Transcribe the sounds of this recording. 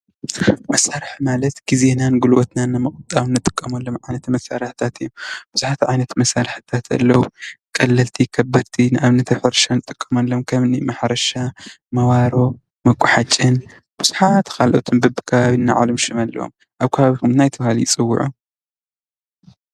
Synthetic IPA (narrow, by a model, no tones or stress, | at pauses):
mɐsaɾɨħmalɐt̪ɡ̥izenanɡɨlwot̪nanːɨmɨχʼɨt̪ʼːawnːɨt̪ʼɨ̥kʼːɐmɐlːomʕajnɐt̪mɐsaɾɨħt̪ʰat̪ijomb̥ɨz̥uħat̪ʕajnɐt̪mɐsaɾɨħɨ̥t̪ʰat̪ʰɐ̰lːɐwukʼɐlːɐlt̪ʰikʰɐbːɐɾt̪ʰinʔaβnɨt̪ʰɐfɐɾʃanɨt̪ʼɨkʼːɐmɐlːomkʰɐmɨnimɐħɾɐʃa | mɐwaɾo̞ | mɐkʷʼːʊħat͡ʃʼːɨn | b̥ɨz̥uħat̪kʰalʔot̪ʰɨnbɨbɨkʰɐβaβinːa̰ʕa̰lɨmʃɨmɐlːɐ̰wo̰m | ʔaβkʰɐβaβikumnajt̪ʰɨβahaljɪt͡sʼɨwːʊ̰ʕṵ